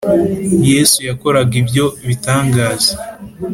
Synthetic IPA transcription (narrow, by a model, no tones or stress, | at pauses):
je̞ːsujako̞ɾaɡibjo̞βitaːŋɡaːze̥